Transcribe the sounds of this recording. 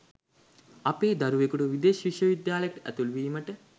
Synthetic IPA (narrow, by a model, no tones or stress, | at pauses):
apeːd̪aɾuʋekuʈuʋid̪eːʃʋiʃʋɐʋid̪jaːləjɐʈəʔæ̰t̪ulʋiːməʈə